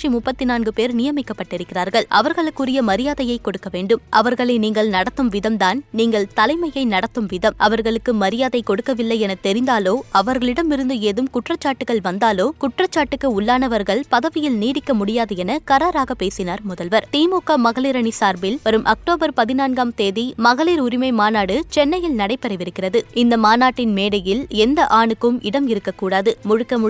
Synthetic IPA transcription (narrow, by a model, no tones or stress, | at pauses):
imʊpːɐt̪ːɪnaːnɡɯpeːɾnɪjɐmɪkːɐpːɐʈːɪɾɯkːɪɾaːɾɣɐɭʔɐʋɐɾɣɐɭɯkːʊɾɪjɐmɐɾɪjaːðɐjɐɪkːɔɽɯkːɐʋeːɳɖɯmʔɐ̰ʋɐɾɣɐɭeːniːŋɡɐɭnɐɽɐt̪ːɯmʋɪðɐmd̪aːnniːŋɡɐɭt̪ɐlɐɪmɐjɐɪnɐɽɐt̪ːɯmʋɪðɐmʔɐʋɐɾɣɐɭɯkːɯmɐɾɪjaːðɐɪkɔɽɯkːɐʋɪlːɐɪɛnɐt̪ɛɾɪnd̪aːloːʔɐʋɐɾɣɐɭɪɽɐmɪɾɯnd̪ɯeːðɯmkʊʈrɐt͡ʃːaːʈːɯɣɐɭʋɐnd̪aːloːkʊʈrɐt͡ʃːaːʈːɯkːɯʊɭːaːnɐʋɐɾɣɐɭpɐðɐʋɪjɪlniːɽɪkːɐmʊɽɪjaːðɐɛnɐkɐɾaːɾaːɣɐpeːsɪnaːɾmʊðɐlʋɐɾt̪iːmuːkːamɐɣɐliːɾɐɳisaːɾbɪlʋɐɾɯmʔɐk̚ʈoːbɐɾpɐðɪnaːnɡaːmt̪eːðimɐɣɐliːɾʊɾɪmɐɪmaːnaːɽɯt͡ʃɛnːɐjɪlnɐɽɐɪpːɛɾɐɪʋɪɾɯkːɪrɐðɯɪnd̪ɐmaːnaːʈːɪnmeːɽɐjɪlɛnd̪ɐʔaːɳɯkːɯmɪɽɐmɪɾɯkːɐkːuːɽaːðɯmʊɻɯkːɐm